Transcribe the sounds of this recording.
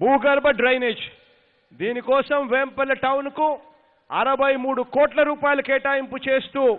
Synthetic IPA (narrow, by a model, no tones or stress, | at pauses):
buːɡɐɾbɐɖɾɐjneːd͡ʒ | d̪iːnikɔːsɐmʋeːmpɐlɐʈɐwnku | ɐɾɐbɐjmuːɽukɔːʈlɐɾuːpaːjɐlɐkɛːʈaːjimput͡ʃe̞ːst̪uː